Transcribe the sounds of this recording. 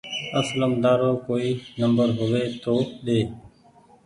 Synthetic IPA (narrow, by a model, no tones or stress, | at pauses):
əsləmd̪aːɾoːkoːiːnəmbəɾɦʊʋeːt̪oːɗ̪eː